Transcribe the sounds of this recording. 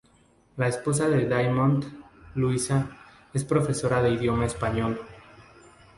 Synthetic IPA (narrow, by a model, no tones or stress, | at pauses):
laespo̞s̬aðe̞ðajmõnd̪luisa | e̞spɾo̞fe̞so̞ɾaðe̞iðjo̞maespaɲo̞l